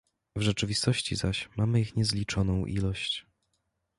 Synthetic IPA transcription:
vʐɛt͡ʂɘvʲist̪ɔɕt͡ɕḭzaɕmamɘixɲɛzlʲit͡ʂɔnɔ̃w̃ʔḭlɔɕt͡ɕ

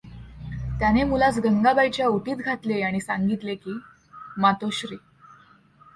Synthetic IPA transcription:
t̪janemulat͡sɡəŋɡabajt͡ɕjauʈiːt̪ɡʱat̪leaɽ̃isãŋɡit̪lekiː | mat̪oɕɾiː

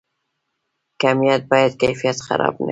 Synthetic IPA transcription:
kamijat̪̚bɑjad̪kajfijat̪xa̰ɾɑ̰bna̰

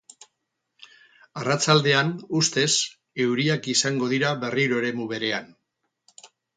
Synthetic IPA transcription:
arat͡sald̪e̞anust̪e̞s | e̞wɾiakisaŋɡo̞ðiɾaβe̞riɾoeɾe̞muβe̞ɾe̞an

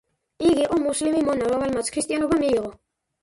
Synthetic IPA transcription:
iɡiʔɔmuslimimɔnaɾavɛlmat̪sʰkʰɾist̪ʼijanɔbamiːʁɔ

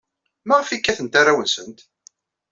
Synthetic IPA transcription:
mæʁəfikːæθənt̪arawənsənt̪

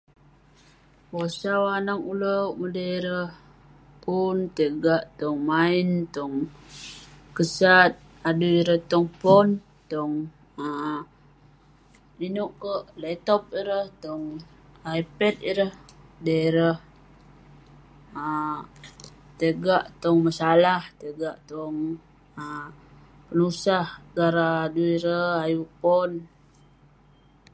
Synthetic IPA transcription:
posawanaŋuləmudəiɾəh | punt̪əɡaʔt̪ɔŋmaint̪ɔŋ | kəsat̪̚ | aduiɾəht̪ɔŋpɔn | t̪ɔŋ | ə | inuʔkəʔlɛt̪ɔp̚iɾəht̪ɔŋ | ajpɛt̪̚iɾəhdəiɾəh | ə | t̪əɡaʔt̪ɔŋmasalaht̪əɡaʔt̪ɔŋ | ə | pənusahɡaɾaːduiɾəajupɔn

